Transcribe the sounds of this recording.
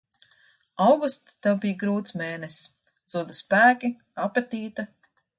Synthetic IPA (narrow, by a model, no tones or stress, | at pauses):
awɡust̪t̪awbijɡɾuːt̪smeːnɛs | z̥uɔd̪aspæːkʲi | apet̪iːt̪a